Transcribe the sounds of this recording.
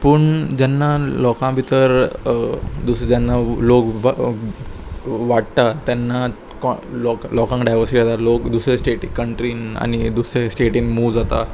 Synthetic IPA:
pəːɳd͡ʑɛnːalɔkãbʱit̪əɾ | d̪usd͡ʑɛnːalokʋ | ʋaɽ̚t̪at̪janːa | kɔlɔklɔkãŋkɖajʋəɾsiʈiat̪alokd̪usɾesʈeʈikəɳʈɾiːna̰ñid̪usɾesʈeʈiːnmud͡zat̪a̰

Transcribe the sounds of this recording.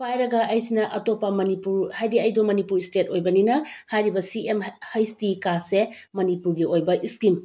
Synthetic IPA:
pʰajɾɐɡɐʔɐjsinɐʔɐtopɐmɐnipuɾhajdiɐjdomɐnipuɾistetojbɐninɐhajɾibɐsiemhɐjstikase | mɐnipuɾɡiʔojbɐʔiskim

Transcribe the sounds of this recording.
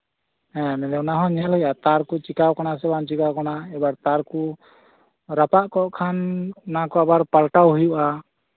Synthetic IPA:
ɛ̃nɛlɛwnaɦɔ̃ɲɛlɦɔjat̪aɾkut͡ʃikawkanasɛbant͡ʃikawkanaɛbaɾt̪aɾku | ɾapaʔkɔʔkʰannakɔabaɾpalʈawɦujuʔa

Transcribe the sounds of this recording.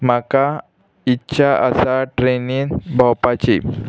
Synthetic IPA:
maka | itːɕʰaʔəsaʈɾeniːnbʱawpat͡ɕi

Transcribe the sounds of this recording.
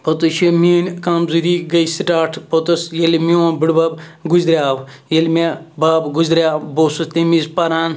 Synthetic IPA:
pɐt̪uʃimiːnʲkɐmzuɾiɡɐjsiʈaːʈʰpot̪ɐsjelmiõːbɨɽbɐːbɡuzɾʲaːw | jelmebaːbɡuzɾʲaːwboːsut̪imizpɐɾaːn

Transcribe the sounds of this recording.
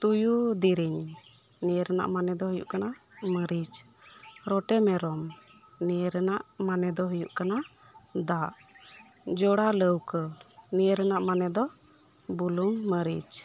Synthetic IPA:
t̪ujud̪iɾiɲ | nijəɾəna̰ʔmanɛd̪ɔɦəjṵʔkana | məɾit͡ʃ | ɾɔʈɛmɛɾɔm | nijəɾənaʔmanɛd̪ɔɦujuʔkana | d̪aʔ | d͡ʒɔɽaləwkənijəɾənaʔmanɛd̪ɔ | buluŋməɾḭt͡ʃ

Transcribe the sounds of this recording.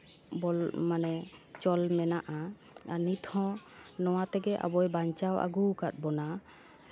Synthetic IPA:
bɔlmanɛt͡ʃɔlmɛnaʔa | anit̪hɔ̃nɔwat̪ɛɡɛʔa̰bɔjbaɲt͡ʃawʔa̰ɡukat̪̚bɔna

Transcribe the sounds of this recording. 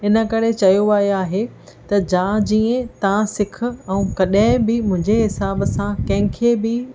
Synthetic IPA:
ɪnə̆kɐɾet͡ɕɐjoaːjaːɦe | t̪ɐd͡ʑãːd͡ʑiːẽt̪ɐãsɪk̆ʰɛ̃ũkɐɗə̃ɪ̃bɪmʊ̃ɦɪ̃ɲd͡ʑeɦɪsaːbəsãkɐ̃ɦɪ̃kʰeːbɪ

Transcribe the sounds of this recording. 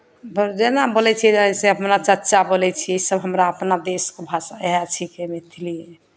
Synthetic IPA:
bəɾd͡ʒenabolɛt͡ʃʰid͡ʒaɛseəpnat͡ʃətːt͡ʃabolɛt͡ʃʰiisəbɦəmɾaəpnad̪eskobʱasaat͡ʃʰikemet̪ʰilie

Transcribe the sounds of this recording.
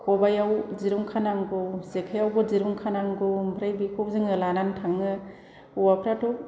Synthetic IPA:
kʰɔbajawziɾuŋkʰanaŋɡɔsekʰajawɡɔziɾuŋkʰanaŋɡobʱɾajbikʰɔzɯŋɯlanantʰaŋːɯ | uwapʰɾatʰɔk̚

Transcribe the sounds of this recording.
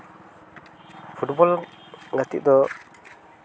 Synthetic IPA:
pʰuʈbɔl | ɡat̪ḭʔ̚d̪ɔ

